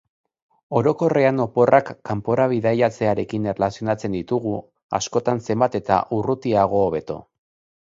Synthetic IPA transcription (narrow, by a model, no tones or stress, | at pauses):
o̞ɾo̞ko̞reano̞po̞rʔakːampo̞ɾaβ̞iðajat͡se̞aɾe̞kinerelasio̞nat͡se̞nd̪it̪uɣu | a̰sko̞t̪anse̞mbat̪e̞t̪a̰ʔurut̪iaɣ̞o̞ːβ̞e̞t̪o̞̰